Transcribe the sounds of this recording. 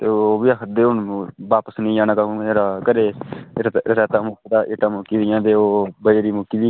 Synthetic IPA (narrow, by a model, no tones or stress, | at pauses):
t̪eːoːoːbiaːkʰəd̪eːʊɳʋaːpəsnĩːaːnãːkãeːɾaːkəɾeː | ɾtɛːt̪aːmʊkiːd̪aːʔɪːʈːaːmʊːkiːd̪ijãːt̪̬eːoːbəeːɾiːmʊkiːd̪iː